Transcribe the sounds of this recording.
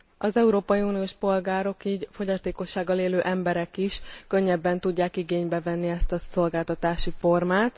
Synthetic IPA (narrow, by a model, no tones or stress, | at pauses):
ʔɒzɛuɾoːpɒjiuːnioʃpo̞lɡaːɾo̞kiːɟfo̞ɟɒt̪eːko̞ʃːaːɡːɒleːløːʔɛmbɛɾɛkiʃkø̞ɲːɛbːɛnt̪uɟːaːkiɡeːɲbɛvɛnːiɛst̪ɒso̞lɡaːlt̪ɒt̪aːʃifo̞rmaːt̪